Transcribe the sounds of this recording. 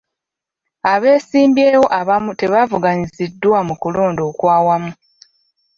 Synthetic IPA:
aβe̞ːsiːmbje̞ːwo̞ʔaβamute̞βavuɡaɲizidːwamukulo̞ːndo̞ːkwaːwamu

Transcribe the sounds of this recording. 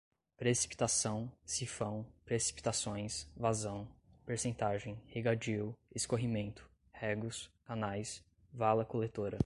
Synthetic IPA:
pɾesi̥pi̥t̪asɐ̃w̃sifɐ̃w̃pɾesi̥pi̥t̪asõj̃svazɐ̃w̃ | peɾsẽnt̪aʒẽj̃heɡad͡ʒiweskoɦimẽnt̪ʊ̥ | hɛɡlʊskanajs | valɐkolet̪oɾɐ

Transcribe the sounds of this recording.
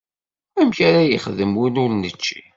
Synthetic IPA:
æmçaɾajəχðəmwinʊɾnət͡ʃːi

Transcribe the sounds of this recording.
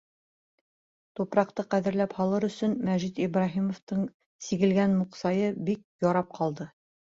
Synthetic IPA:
t̪upɾɑq̚t̪ɤqæðɘ̆ɾlæphɑlˠɤɾɵ̆sɵnmæʒit̪ibrɑɦimŏft̪ɤɴ | siɡɘ̆lɡænmuqsɑjɤbik̚jɒɾɑp̚qʰɑlˠd̪ɤ

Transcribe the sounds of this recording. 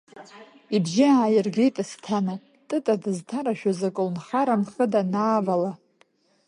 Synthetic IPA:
ibʒɪaːjɪrɡʲejtʼastʰana | tʼɨtʼadɨztʰaɾaʃᶣazakʼɨlnχaɾamχədanaːvala

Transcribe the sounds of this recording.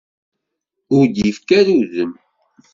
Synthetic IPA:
ʊɾd̪jəfkæɾuðəm

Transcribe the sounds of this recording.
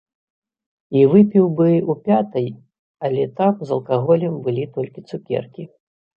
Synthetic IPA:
ivɨpʲiwbɨupʲat̪ɐj | ɐlʲɛt̪amzɐlˠkaɣɔlʲɛmbɨlʲit̪ɔlʲkʲit̪sukʲɛ̰rkʲi

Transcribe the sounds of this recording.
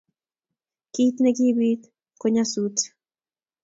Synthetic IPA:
kit̪nekibit̪ | koɲasut

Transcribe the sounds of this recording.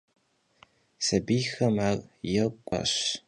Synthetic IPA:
sɐbiːxɐmaːɣjɛkʷʼɔ̰ɕ

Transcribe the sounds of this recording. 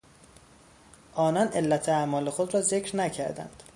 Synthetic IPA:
ʔɒːnɒːne̞lːæt̪ʰeæmɒːle̞xod̪ɾɒːze̞cʰɾnæcʰæɾd̪æ̰nd̪̥

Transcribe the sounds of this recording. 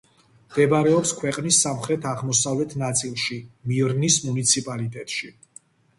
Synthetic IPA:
md̪̥ɛbaɾɛɔpskʰwɛqʼnisːamχɾɛt̪ʰaʁmɔsavlɛt̪ʰnat̪sʼilˠʃimiɾnismunit̪sʰipʼalit̪ʼɛt̪ʼʃi

